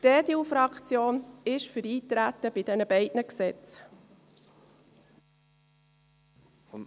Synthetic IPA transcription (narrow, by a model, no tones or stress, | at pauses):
tɛːdiufɾɑkt͡sjoːnɪʃfyɾiːt̪ɾæt̪əb̥ɪd̥ɛnəbɛɪdnəksɛt͡s